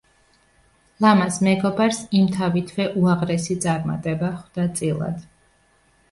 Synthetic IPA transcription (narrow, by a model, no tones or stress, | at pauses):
lˠamasmɛɡɔbaɾsimt̪ʰavit̪ʰwɛʔuaʁɾɛsit̪sʼaɾma̰t̪ʼɛbaχwd̪̥at̪sʼilˠa̰d̪̥